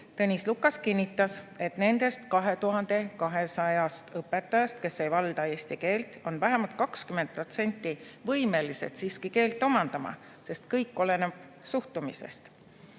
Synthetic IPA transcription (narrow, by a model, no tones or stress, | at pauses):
t̪ɤnʲislukːˑɑskinʲːit̪ːˑɑse̞t̪ne̞nd̪̥e̞st̪kɑɦe̞t̪uɦɑnd̪̥e̞kɑɦe̞sɑjɑst̪ɤpːˑe̞t̪ːˑɑjɑst̪̚ke̞sːejvɑld̪̥ɑe̞ːsʲt̪ike̞ːlt̪ˑo̞nvæɦemɑlt̪̚kɑkskyment̪̚pro̞t̪se̞nʲt̪ːˑivɤjme̞liset̪siːskike̞ːlt̪ːˑo̞mɑnd̪̥ɑmɑ̰ | se̞st̪kɤjkːo̞le̞neb̥ | suht̪umisḛst̪